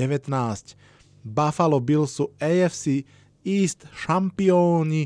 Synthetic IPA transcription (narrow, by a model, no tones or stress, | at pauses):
ɛʋɛt̪naːsc | bafalɔbilsuɛjɛfsi | iːst̪ʃampiɔːɲi